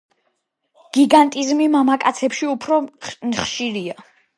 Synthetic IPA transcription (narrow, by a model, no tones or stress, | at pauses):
ɡ̥iɡant̪ʼizmimamakʼat̪sʰɛpʃiupʰɾɔnχʃiɾia